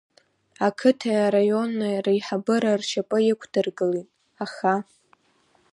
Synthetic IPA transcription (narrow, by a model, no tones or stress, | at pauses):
akʰɨtʰaaɾajo̞nːarajħabɨɾarʃapʼɨjɪkʷʰdɨrɡʼɨlitʼ | aχa